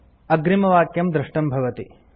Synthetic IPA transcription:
ɐɡɾimɐʋaːkjɐmd̪ɾɪʂʈɐmbʱɐʋɐt̪i

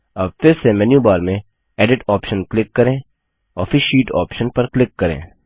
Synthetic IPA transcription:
ɐbfɪɾsemɛːnjubaːɾmẽ | ɛːɖɪʈɔːpʃənklɪkːɐɾẽː | ɔ̰ːɾfɪʃiːʈɔ̰ːpʃənpɐɾklɪkːɐɾḛ̃ː

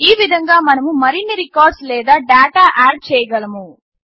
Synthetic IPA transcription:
iːʋid̪ʱɐŋɡaːmɐnɐmumɐɾinːiɾikaːɾɖslɛːd̪aːɖaːʈaːʔaːɾ̚t͡ʃɛːjɐɡɐlɐmu

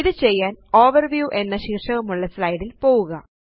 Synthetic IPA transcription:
iðɨt͡ɕe̞jːaːno̞ːʋɐrʋjuːʔe̞nːɐɕiːkʂɐʋumuɭːɐslɐjɽilpo̞ːɣuɣɐ

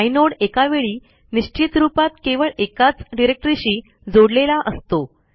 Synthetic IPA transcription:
ajnoɽekaʋeɭiː | niɕt͡ɕit̪ɾupat̪keʋəɭekat͡sɖiɾek̚ʈɾiɕiː | d͡zoɽlelaʔəst̪o

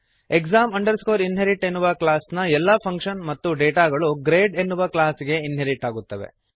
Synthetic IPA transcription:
ekzaːmɐɳɖɐɾskoːɾinɦeɾiʈe̞nːuʋɐklaːsnɐɛlːɐpʰɐŋkʂɐnmɐt̪ːuɖeːʈaːɡɐɭuɡɾeːɖe̞nːuʋɐklaːsɡe̞inɦeɾiʈaːɡut̪ːɐʋe̞̰

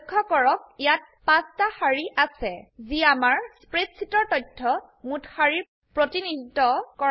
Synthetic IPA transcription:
kʰːɔkɔɹɔk̚ijat̚pãstahaɹiʔasɛziamaɹspɹetsʰitɔɹtɔjtʰːɔ | muthaɹiɹ | pɹotinid̪ʱitɔkɔ

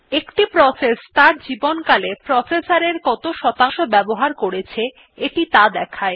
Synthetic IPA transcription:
ekʈipɾɔsest̪aɾd͡ʑibonkalepɾɔsesaɾeɾkɔt̪oʃɔt̪aʃobɛboɦaɾkoɾet͡ɕʰe | eʈit̪ad̪ɛkʰae

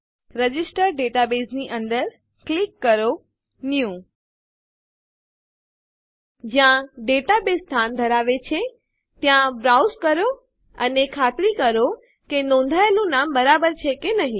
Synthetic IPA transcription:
ɾəd͡ʑɪsʈəɾɖeʈabeːsniʔə̃nd̪əɾ | klɪkːəɾo | nijũ | d͡ʑãɖeʈabest̪ʰand̪ʱəɾaːʋet͡ɕʰe | t̪jãbɾawzkəɾo | ənekʰaːt̪ɾikəɾo | kenõnd̪ʱajlũnaːmbəɾabəɾt͡ɕʰekenɐɦĩ

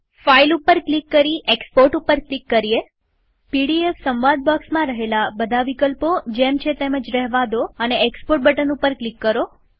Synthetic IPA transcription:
failupəɾklikːəɾiʔekspoɾʈupəɾklikːəɾie | piɽiefsəmʋad̪̚bəksmãɾəɦelabəd̪ʱaʋikəlpod͡ʒemt͡ʃʰet̪eməd͡ʒɾəɦʋad̪oəneekspoɾʈ̚bəʈənupəɾklikːəɾo

